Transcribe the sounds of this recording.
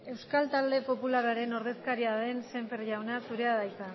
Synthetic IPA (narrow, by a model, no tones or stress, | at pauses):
e̞wskalt̪ald̪e̞po̞pularaɾe̞no̞ɾðe̞skaɾiaðense̞ɱfeɾʝawnasuɾe̞aðajsa